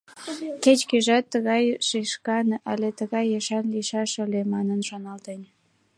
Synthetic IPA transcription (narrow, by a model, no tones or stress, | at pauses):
ket͡ɕkeʒɑt̪ːəɣɑjʃeʃkɑnʔɑlet̪əɣɑjeʃɑnliʃɑʃəlemɑnənʃonɑlt̪en